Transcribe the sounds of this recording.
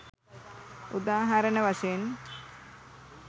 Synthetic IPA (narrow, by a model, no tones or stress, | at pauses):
ṵd̪aːɦaɾənəʋaseen